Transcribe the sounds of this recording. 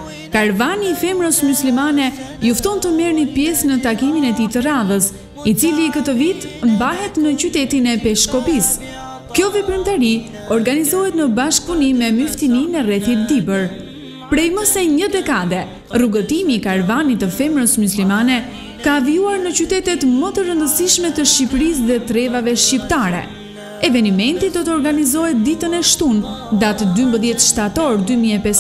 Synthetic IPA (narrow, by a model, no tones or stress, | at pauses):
kaɾvaniːfɛmɾəsmuslimanɛjuft̪ɔnt̪əmɛɾnipjɛsnət̪akiminɛt̪it̪əraðəs | it͡silikət̪əvit̪ | mbaɦɛt̪nət͡ɕyt̪ɛt̪inɛpɛʃkɔpis | kjɔvɛpɾimt̪aɾi | ɔɾɡanizɔɦɛt̪nəbaʃkunimɛmyft̪ininɛrɛθit̪̚d̪ibəɾ | pɾɛjməsɛɲəd̪ɛkad̪ɛ | ruɡət̪imikaɾvanit̪əfɛmɾəsmuslimanɛ | kaːvijuaɾnət͡ɕyt̪ɛt̪ɛt̪mət̪əɾənd̪əsiʃmɛt̪əʃcipɾis̬ðɛt̪əɾɛvavɛʃcipt̪aɾɛ̰ | ɛvɛnimɛnt̪id̪ɔt̪ɔɾɡanizɔɦɛt̪̚d̪it̪ənɛʃt̪und̪at̪d̪ymbəðjɛt̪ʃt̪at̪ɔɾd̪ymiɛpɛs